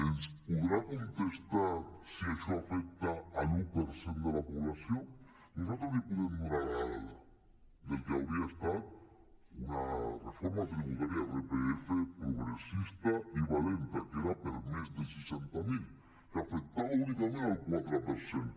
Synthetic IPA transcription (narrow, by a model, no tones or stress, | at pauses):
enspuðɾakunt̪est̪aɾsieʃɔafɛk̚t̪aːlupeɾsend̪elapuβlasjo | nusat̪ɾozipuðemmuɾaɾaala̰ | d̪ekeawɾiaest̪at̪̚ | unarefoɾmat̪ɾiβut̪aɾjaðepeefepɾuɣɾesist̪aiβalent̪akeɾapeɾmezðelsesent̪amil | kafek̚t̪aβaunikamẽnalkwat̪ɾapeɾsen